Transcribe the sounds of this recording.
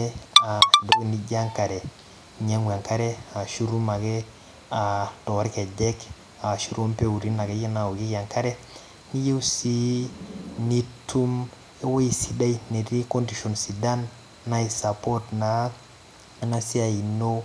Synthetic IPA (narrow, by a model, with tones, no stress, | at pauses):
a˨do˦kni˨ɟa˦ŋka˨ɾɛ˨ | ɲa˦ŋwa˨ŋka˦ɾɛ˦a˨ʃu˦ɾu˦ma˨ɡɛ˦ | a˨to˨wa˦ɾke˨ɟɛ˦k | a˨ʃu˦ɾo˦mpe˦u˨ɾi˦na˨ɡe˦ji˦na˨o˨ɡi˦ka˨ŋka˦ɾɛ˦ | ni˦je˦u˦si˦ | ni˦tʰu˦m | e˦we˦i˨si˦da˦ine˨ɾi˦ko˦ndi˨ʃo˨nsi˨da˦nː | a˦i˨sa˨po˦tna˨ | na˦si˦a˨i˨no˦